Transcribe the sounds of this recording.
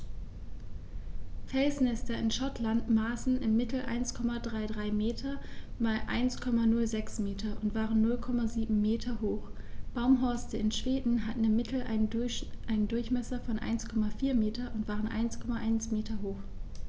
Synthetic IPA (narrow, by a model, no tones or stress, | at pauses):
fɛlsnɛstɐɪnʃɔtʰlantmaːsn̩ɪmːɪtʰl̩ʔa̰ɪnskʰɔmadʁaɪdʁaɪmeːtʰɐmaːlʔa̰ɪnskʰɔmanʊlzɛksmeːtʰɐʔʊntv̥aːʁənːʊlkʰɔmaziːbm̩meːtʰɐhoːxb̥aʊmɦɔɐstəɪnʃv̥eːdn̩ɦatn̩ɪmːɪtʰl̩ | ʔaɪnəndʊɐçmɛsɐfɔnʔa̰ɪnskʰɔmafiːɐmeːtɐʔʊntv̥aːʁənʔa̰ɪnskʰɔmaʔaɪnsmeːtʰɐɦoːχ